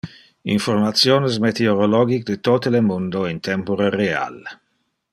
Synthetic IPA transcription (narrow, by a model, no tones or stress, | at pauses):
ḭɱformat̪sjoːnəs̬met̪eoɾolɔːɡikd̪ət̪ot̪əlemund̪oint̪ɛmpoɾerea̰l